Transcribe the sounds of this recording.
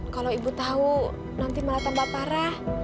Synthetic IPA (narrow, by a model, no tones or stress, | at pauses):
kaloibut̪au | nant̪imalat̪ambapaɾah